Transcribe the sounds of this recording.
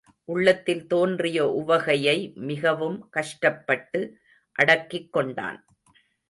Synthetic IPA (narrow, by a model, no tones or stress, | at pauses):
ʔʊɭːɐt̪ːɪlt̪oːndrɪjɐʔʊʋɐɣɐjɐɪmɪɣɐʋɯmkɐʂʈɐpːɐʈːɯ | ʔɐɽɐkːɪkːɔɳɖa̰ːn